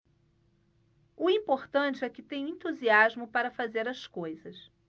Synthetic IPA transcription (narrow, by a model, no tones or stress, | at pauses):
ʊĩpoɾt̪ɐ̃nt͡ʃɪɛkɪt̪ẽj̃ẽt̪uziazmʊpaɾɐfazeɾɐskojzɐs